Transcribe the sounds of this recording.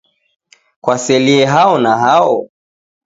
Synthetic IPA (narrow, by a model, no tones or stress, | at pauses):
kwasɛliɛɦaɔnaɦaɔ